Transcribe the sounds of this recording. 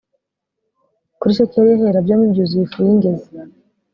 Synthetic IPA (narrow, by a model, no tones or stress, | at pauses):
kuɾiʃoceɾjeɦeɾabjomibɟuziifujiŋɡe̞ze